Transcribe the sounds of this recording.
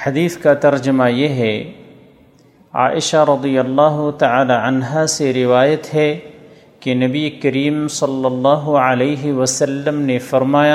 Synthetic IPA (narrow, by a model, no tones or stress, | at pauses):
ħɐd̪iːθkat̪ɐɾd͡ʒəmajeɦɛ | a̰ːʔɪʃaɾɐd̪ijɐlːaːɦʊt̪ɐʕaːlaɐnɦaseɾɪʋaːjət̪ɦɛ | kenɐbiekɐɾiːmsɐlːɐlːɑːɦʊəleːɦɪʋɐsɐlːəmnefɐɾmaːja